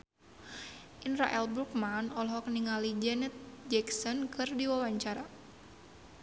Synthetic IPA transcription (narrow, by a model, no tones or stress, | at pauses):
ʔinra̰ʔɛlbɾuk̚manɔlɔɦɔkniŋalid͡ʒɛnɛt̪̚d͡ʒɛksɔnkʰɨrdiwawaɲt͡ʃaɾa